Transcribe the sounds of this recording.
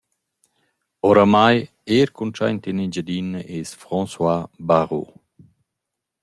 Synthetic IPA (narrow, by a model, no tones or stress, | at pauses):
oɾamaj | eːɾkunt͡ʃa̰jnt̪inid͡ʒad̪inːəʔesfɾɔ̃nswabaʁo̰